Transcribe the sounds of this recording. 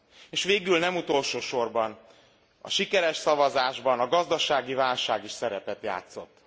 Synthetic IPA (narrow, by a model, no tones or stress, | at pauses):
eːʃʋeːɡylnɛmut̪o̞lʃoːʃo̞rbɒn | ɒ̰ʃikɛɾɛʃsɒvɒzaːʒbɒnɒɡɒzd̪ɒʃaːɡivaːlʃaːɡiʃsɛɾɛpɛt̪ja̰ːt̪so̞t̪ː